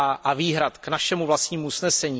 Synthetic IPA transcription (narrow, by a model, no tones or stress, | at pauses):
ʔaviːɦɾat̪knaʃɛmuvlast̪ɲiːmuusnɛsɛɲiː